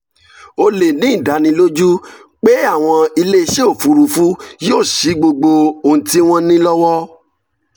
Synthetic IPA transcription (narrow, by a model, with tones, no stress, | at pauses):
o˧le˨nĩ˨˦ĩ˦˨da˨˦nĩ˧˦lo˦d͡ʒu˦ | k͡pe˦a˦˨w̃ɔ̃˧i˧le˦˧ʃe˦o˦˨fu˨˦ɾu˨fu˦joː˦˨ʃi˨˦ɡ͡bo˧ɡ͡bo˧o˨n̩˨ti˦w̃ɔ̃˦nĩ˦lɔ˦wɔ˦